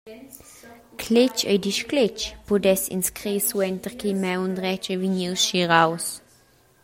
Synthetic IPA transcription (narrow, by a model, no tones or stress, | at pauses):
kʰlɪt͡ʃḛjd̪iʃklɪt͡ʃpud̪ɛsḭnskʁisuɛnt̪əʁkimɛwnd̪ʁɛt͡ʃəviɲiwsʃiʁaws